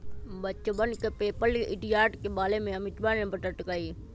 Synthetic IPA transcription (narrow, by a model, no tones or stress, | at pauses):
bɐt͡ʃbənkepeːpəlɪɖijaːɾʈkeɓaːlemẽɐmɪt̪baːnẽbʱəʈəʈkaiː